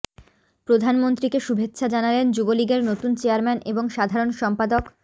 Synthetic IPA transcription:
pɾod̪ʱanmont̪ɾikeʃubʱet̪ːɕʰad͡ʑanalend͡ʑuboliɡeɾnot̪unt͡ɕeaɾmɛneboŋʃad̪ʱaɾonʃɔmpad̪ok

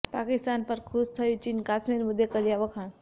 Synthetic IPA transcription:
pakɪst̪aːnpəɾkʰust̪ʰəjut͡ʃinkaːsmiɾmud̪ʱekəd̪ijaʋəkʰãːn

